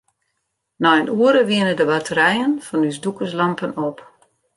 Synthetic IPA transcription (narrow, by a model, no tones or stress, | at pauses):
nɔənuəɾəʋiənədəbatʰəɾɛjənfɔnysdukəslampənop